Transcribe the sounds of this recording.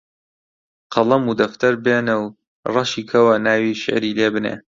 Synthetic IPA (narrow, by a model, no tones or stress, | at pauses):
qʰɐlˠɐmud̪ɐft̪ɐɾbeːnɨw | rˤɐʃiːkʰɐwɐnaːwiʃɪ̰ʕɾiːleːbɨnḛː